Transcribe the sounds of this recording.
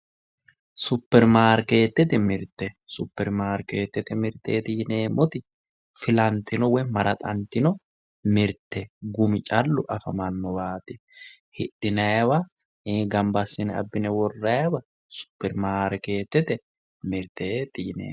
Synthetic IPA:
sʊpːɛɾmaːɾke̞ːt̪ːɛt̪ɛmɪɾt̪ːɛsʊpːɛɾmaːɾkeːt̪ːɛt̪ɛmɪɾt̪ːḛːt̪iːne̞ːmʔɔt̪ɪ | fɪlɐnt̪ːɪnɔwɛmɐɾɐt̪ʼɐnt̪ːɪnɔ | mɪɾt̪ːɛɡʊmɪt͡ʃʼɐlːʊʔɐfɐmɐnːɔbaːt̪ɪ | hɪɗɪnɐjɐwɐ | eːɡɐmbɐsːɪnɛɐ̰bːɪnɛwɔrːɐjɐwɐ | sʊ̥pːɛɾmaːɾɛke̞ːt̪ːɛt̪ɛ | mɪɾt̪ːet̪iːnḛː

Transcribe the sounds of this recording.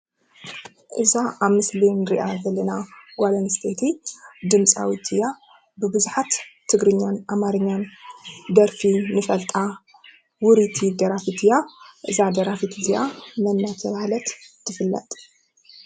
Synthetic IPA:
ʔɨzaʔaβmɨslinɨɾiʔazɐlɐnaɡʷalɐnst̪ʰet̪ʰid̪ɨmt͡sʼa̰wit̪ʰɨja | bɨbɨzuħat̪ʰː | ɨɡɾɨɲːanʔamaɾɨɲːand̪ɐɾfinɨfɐlt̪ʼa | wʊɾit̪ʰid̪ɐɾafit̪ʰɨjaʔɨzad̪ɐɾafit̪ʰizijamɐnːat̪ʰɐβahlɐt̪t̪ʰːɨfɨlːɐ̰t̪ʼ

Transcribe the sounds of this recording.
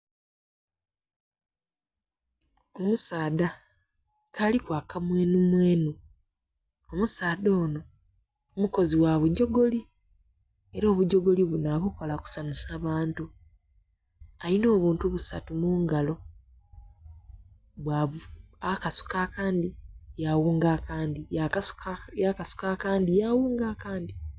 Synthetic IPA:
o̞musaːda | kʰalikwaːkamweːnumweːnu | omusaːd̪o̞ːno̞ | omuko̞ziwaβuɟːo̞ɡo̞li | e̞ɾo̞ːβuɟo̞ɡo̞liβunaβuko̞laku̥sanusaːβaːntu | ajino̞ːβuːntuβusa̰tumuːŋɡalo̞ | βwaakasu̥kakaːndijawuːŋɡakaːndia | jakasu̥kakaːndijawuːŋɡakaːndi

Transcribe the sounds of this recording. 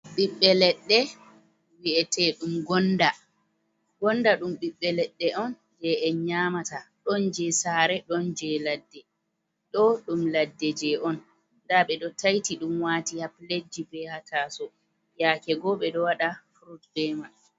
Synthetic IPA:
ɓiɓːɛlɛɗːɛ | wiʔɛtɛɗumɡɔnda | ɡ̥ɔndaɗumɓiɓːɛlɛɗːɛʔɔn | d͡ʒɛʔɛɲaːmataɗɔnd͡ʒɛsaːɾɛɗɔnd͡ʒɛladːɛ | ɗɔɗumladːɛd͡ʒɛʔɔnː | daɓɛɗɔtʰajtiɗumwaːtihapled͡ʒːibɛhatʰaːsɔ | jaːkɛɡɔɓɛɗɔwaɗafɾutdɛma

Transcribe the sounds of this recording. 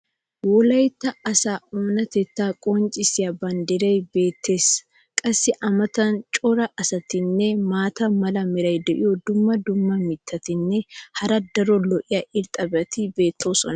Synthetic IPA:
wɔlɐjt̪ːɐɐsaːoːnɐt̪ɛt̪ːaːkʼɔnt͡ʃʼɪsɪjɐbɐnd̪ɪɾɐjbe̞ːt̪ːe̞ːs | kʼɐsːɪʔɐmɐt̪ɐnt͡ʃʼɔɾɐʔɐsɐt̪ɪnːɛmaːt̪ɐmɐlɐmɪɾɐjd̪ɛʔɪjɔd̪ʊmːɐd̪ʊmːɐmɪt̪ʰːɐt̪ɪnːɛhɐɾɐd̪ɐɾɔlɔʔɪjɐʔɪɾt̪ʼɐbɛɐt̪ɪbe̞ːt̪ːoːsɔnɐ

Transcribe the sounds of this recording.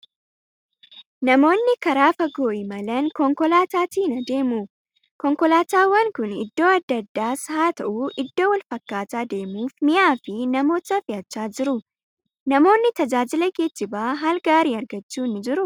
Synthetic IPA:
nɐmo̞ːnːɪkɐɾaːfɐɡoːʔɪmɐlɐnkɔŋkɔlaːt̪aːt̪iːnɐd̪e̞ːmuː | kɔŋkɔlaːt̪aːwːɐŋkʊnɪ̰d̪ːo̞ːɐd̪ːɐd̪ːaːshaːt̪ɐʔuːʔɪd̪ːo̞ːwɐlfɐkːaːt̪aːd̪e̞ːmuːfmɪʔaːfɪnɐmo̞ːt̪ɐfɪʔɐt͡ʃːaːd͡ʒɪɾʊ | nɐmo̞ːnːɪt̪ɐd͡ʒaːd͡ʒɪlɐɡeːt͡ʃːɪbaːɦalɡaːɾiːɐɾɡɐt͡ʃːuːnːɪd͡ʒɪɾʊ

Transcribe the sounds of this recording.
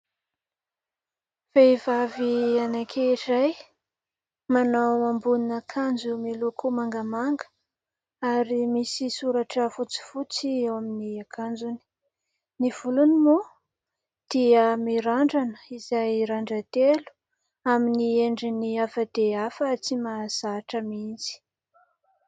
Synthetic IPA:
v̥ejvavianakʲʰeiraj | manawambuninakʰand͡zumilukumaŋɡəmaŋɡə̥ | aɾimisisuɾaʈ͡ʂəfut͡si̥fut͡siewaminiakʰand͡zuni̥ | niv̥ulunimu | d̪̥iəmiɾaɳɖ͡ʐanə̥izajɾaɳɖ͡ʐət̪elu̥ | aminieɳɖ͡ʐiniafəd̪̥eafət͡simaz̥aʈ͡ʂəmint͡si̥

